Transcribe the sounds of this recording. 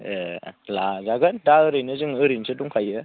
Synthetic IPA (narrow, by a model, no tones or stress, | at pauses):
əlazaɡəndaəɾinəzəŋəɾint͡ʃəduŋkajə